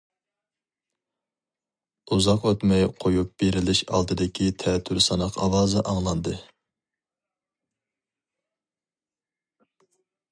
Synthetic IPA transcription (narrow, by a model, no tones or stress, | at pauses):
uzɑqwøt̪mɛjqʰojup̚b̥eɾɪlɪʃɑ̰lˠd̪ɨd̪ɪkʲʰit̪ʰɛt̪ʰːyɾsɑnɑqʰɑwɑːzɨʔɑŋlˠɑnd̪ɨ